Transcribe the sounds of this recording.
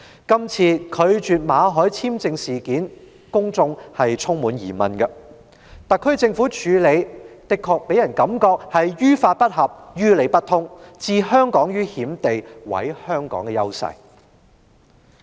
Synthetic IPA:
kɐ˥mt͡sʰiː˧kʰɵ˨˧ɥt͡ʃyː˨t̚maː˨˧ɦɔː˨˥jt͡sʰiː˥mt͡sɪ˧ŋsiː˨˩kiː˨˥n | kʊ˥ŋt͡sʊ˧ŋhɐ˨jt͡sʰʊ˥ŋmuː˨˥njḭː˨˩mɐ˨nɡɐ˧ | t̪ɐ˨kʰɵ˥t͡sɪ˧ŋfuː˨˥t͡ʃʰyː˨˧le˨˧jt̪ɪ˨kʰːɔː˨˧k̚pe˨˥jɐ˨˩nkɐ˨˥mkɔː˧k̚hɐ˨jjyː˥faː˧t̚pɐ˥t̚hɐ˨p̚jyː˥le˨˧jpɐ˥t̪̚ʰʊ˥ŋt͡siː˨˧ɦœː˥ŋkɔː˨˥ŋjyː˥hiː˨˥mt̪e˨jwɐ̰˨˥jhœː˥ŋkɔ̰ː˨˥ŋkɛ˨jɐ˥wsɐ̰˨˩j

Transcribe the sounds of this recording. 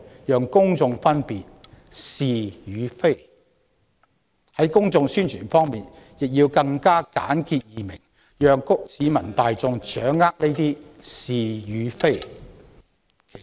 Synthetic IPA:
jœː˨ŋkʊ˥ŋt͡sʊ˧ŋfɐ˥npiː˨t̚ | siː˨jyː˨˧fe˥j | hɐ˨˥jkʊ˥ŋt͡sʊ˧ŋsyː˥nt͡ʃʰyː˨˩nfɔː˥ŋmiː˨n | jɪ˨k̚jiː˧wkɐ˧ŋkaː˥ka̰ː˨˥nki˧t̚jiː˨mɪ˨˩ŋ | jœː˨ŋkʊ˥k̚siː˨˧mɐ˨˩nt̪aː˨jt͡sʊ˧ŋt͡ʃœː˨˥ŋːaː˥k̚le˥jt̪iː˥siː˨jyː˨˧fe˥j | kʰe˨˩

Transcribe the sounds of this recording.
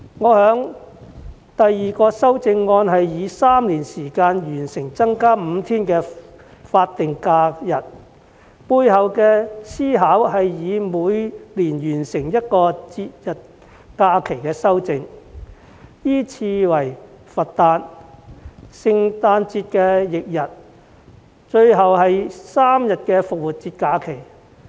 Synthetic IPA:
ŋɔː˨˧hœː˨˥ŋ | t̪ɐ˨jːiː˨kɔː˧sɐ˥wt͡sɪ˧ŋːɔː˧nɦɐ˨jjiː˨˧saː˥mliː˨˩nsiː˨˩kaː˧njyː˨˩nsɪ˨˩ŋt͡sɐ˥ŋkaː˥m̩˨˧t̪ʰiː˥nkɛː˧faː˧t̚t̪ɪ˨ŋkaː˧jɐ˨t̚ | puː˧jɦɐ˨wkɛː˧siː˥ɦaː˨˥wɦɐ˨jjiː˨˧muː˨˧jliː˨˩njyː˨˩nsɪ˨˩ŋjɐ˥t̚kɔː˧t͡siː˧t̚jɐ˨˩t̚ | kaː˧kʰe˨˩jkɛː˧sɐ˥wt͡sɪ˨ŋ | jiː˥t͡sʰiː˧wɐ˨˩j | fɐ˨tt̪aː˧n | sɪ˨ŋt̪aː˧nt͡siː˧t̚kɛː˧jɪ˨k̚jɐ˨t̚ | t͡ʃɵ˧ɥɦɐ˨wɦɐ˨jsaː˥mjɐ˨t̚kɛː˧fʊ˨k̚wuː˨˩t̚t͡siː˧t̚kaː˧kʰe˨˩j

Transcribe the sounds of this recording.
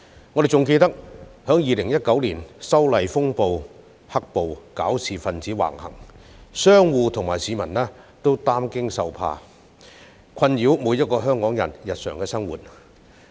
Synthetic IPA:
ŋɔ˨˧d̪e˨jt͡sʊ˨ŋke˧jt̪ɐ˥k̚hœː˨˥ŋjiː˨lɪ˨˩ŋjɐ˥t̚kɐ˨˥wliː˨˩nsɐ˥wlɐ˨jfʊ˥ŋpo˨w | hɐ˥k̚po˨wka̰ː˨˥wsʰiː˨fɐ˨nt͡siː˨˥wa̰ː˨˩ŋhɐ̰˨˩ŋ | sœː˥ŋwuː˨˧t̪ʰʊ˨˩ŋmaː˨˩jsiː˨˧mɐ˨˩nlɛː˥ | t̪o˥wt̪aː˥mkɪ˥ŋsɐ̰˨wpʰa̰ː˧ | kʷʰɐ˧njiː˨˥wmuː˨˧jɐ˥t̚kɔː˧ɦœː˥ŋkɔː˨˥ŋjɐ̰˨˩njɐ˨t̚sœː˨˩ŋkɛː˧sɐ˥ŋwuː˨t̚

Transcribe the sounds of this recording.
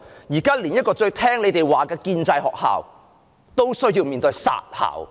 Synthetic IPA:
jiː˨˩kaː˥liː˨˩njɐ˥t̚kɔː˧t͡ʃɵ˧ɥt̪ʰɛː˥ŋle˨˧jt̪e˨˩jwaː˨˩kɛː˧kiː˧nt͡sɐ˧jɦɔ̰ː˨k̚ha̰ː˨w | t̪o˥wsɵ˥ɥji˧wmiː˨nt̪ɵ˨˧sa̰ː˨t̚ha̰ː˨˩w

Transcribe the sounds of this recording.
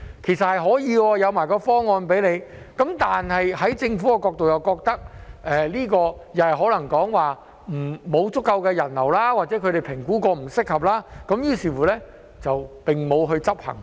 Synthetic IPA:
kʰe˨˩jsɐ˨t̚hɐ˨jɦɔː˨˥jiː˨˧wɔː˧jɐ˨˧wmaː˨˩jkɔː˧fɔː˥ŋɔː˧npe˨˥jle˨˧j | kɐ˨˥mt̪aː˨nhɐ˨jhɐ˨˥jt͡sɪ˧ŋfuː˨˥kɛ˧kɔː˧k̚t̪o˨wjɐ˨wkɔː˧k̚t̪ɐ˥k̚ʔɛː˨liː˥kɔː˧jɐ˨˧hɦɔː˨˥lɐ˨˩ŋkɔː˨˥ŋwaː˨˩ | m̩˨˩mo˨˧wt͡sʊ˥kːɐ˧wkɛː˧jɐ˨˩nlɐ˨˩wlaː˥waː˨t̚t͡sɛː˨˥kʰɵ˨˧ɥɾe˨jpʰɪ˨˩ŋkuː˨˥kɔː˧m̩˨˩sɪ˥k̚hɐ˨p̚laː˥kɐ˨˥mjiː˧˥siː˨˩fuː˨˩lɛː˥ | t͡sɐ˨wpɪ˨ŋmo˨˧wɦɵ˧ɥt͡sɐ˥p̚hɐ̰˨˩ŋ

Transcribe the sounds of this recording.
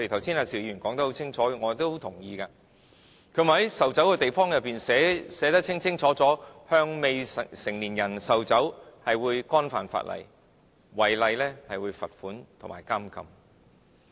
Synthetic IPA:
ɔ˧te˨˩t̪ʰɐ˨˩wsiː˥naː˧si˨˩wjiː˨˧ɥyː˨˩nkɔː˨˥ŋt̪ɐ˥ho˨˥wt͡sʰɪ˥ŋt͡ʃʰɔː˨˥ɛ˧ŋɔː˨˧t̪o˥who˨˥wt̪ʰʊ˨˩ŋjiː˧kaː˧ | kʰɵ˨˧˥m̩˨˩hɐ˨˦jsɐ˨wt͡sɐ˨˥wkɛː˧t̪e˨jfɔː˥ŋjɐ˨˩pːiː˨nsɛː˨˧˥sɛː˨˥t̪ɐ˥k̚t͡sʰɪ˥ŋt͡sʰɪ˥ŋt͡sʰɔː˨˥t͡sɔː˨˥hœː˧ŋme˨˧jsɪ˨˩ŋliː˨˩njɐ˨˩nsɐ˨wt͡sɐ˨˥whɐ˨jwuː˨˧jkɔː˥nfa̰ː˨nfa̰ː˧t̚lʔɐ̰˨˩j | wɐ˨˩jlɐ˧jlɛː˥hɐ˨jwuː˨˧jfɐ˨t̚fuː˨˥nt̪ʰʊ˨˩ŋma̰ː˨˩jkaː˥mkɐ̰˧m

